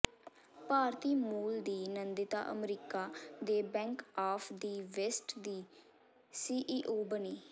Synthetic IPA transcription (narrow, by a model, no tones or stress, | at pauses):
paːɾt̪iːmuːld̪iːnənd̪ɪt̪a̰ːʔə̰mɾiːkaːd̪eːbɛ̃ːŋkaːpʰd̪iːʋɛsʈd̪iː | siːʔiːʔoːbəniː